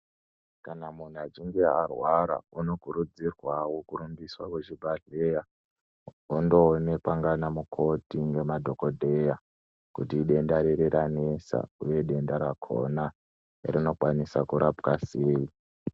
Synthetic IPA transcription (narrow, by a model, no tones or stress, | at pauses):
kanamun̤uad͡ziŋɡearwaɾa̰uno̞kuɾud͡zirwawokuɾumbiswakwet͡ʃibʱaɮeja | undo̞ːne̞kwaŋɡanamukʰo̞tiŋɡe̞madʱo̞ko̞dʱe̞ja | kutiːɗe̞ndaɾeɾeɾanesa̰uje̞ɗe̞ndaɾakʰo̞̰na | ḭrino̞kwanisakuɾapkaseːwi